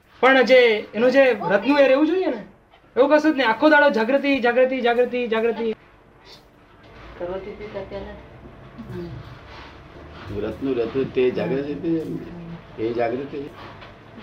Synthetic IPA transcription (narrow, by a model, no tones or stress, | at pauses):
pəɳd͡ʒeenũd͡ʒeɾət̪nũeɾeʋũd͡ʒoijene | eʋũkəsut̪neakʰːod̪aɽod͡ʒaɡɾət̪̬id͡ʒaɡɾət̪̬id͡ʒaɡɾət̪id͡ʒaɡɾət̪i | kəɾʋot̪itit̪at̪jale | ɾət̪nũɾət̪nut̪ed͡ʒaɡɾət̪it̪iemne | ed͡ʒaɡɾət̪i